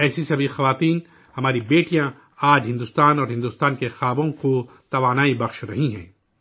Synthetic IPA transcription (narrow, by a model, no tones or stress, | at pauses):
ɛːsisɐbʱixɐʋaːt̪iːn | hɐmaːɾibeːʈijã | aːd͡ʒɦɪ̃nd̪ʊːst̪aːnɔːɾɦɪ̃nd̪uːst̪aːnkexaːbõko | t̪ɐʋaːnaːibɐxʃɾɐɦĩɦɛ̰̃ː